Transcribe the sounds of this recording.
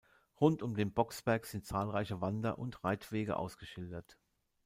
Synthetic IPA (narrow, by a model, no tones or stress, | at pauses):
ʁʊntʊmdeːnbɔksb̥ɛɐkz̥ɪnt̚t͡saːlʁaɪçəvandɐʔʊntʁaɪtv̥eːɡə̰ʔa̰ʊsɡ̥əʃɪldɐt